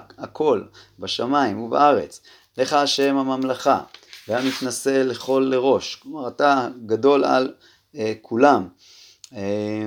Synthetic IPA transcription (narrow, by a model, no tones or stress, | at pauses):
akʰo̞lbaʃamaimuba̰ʔaʁe̞̰t͡s | leχaaʃe̞mhamamlaχa̰veamit̪nase̞leχo̞lːe̞ʁo̞ʃklomaʁataɡado̞la̰l | ekʰulam | e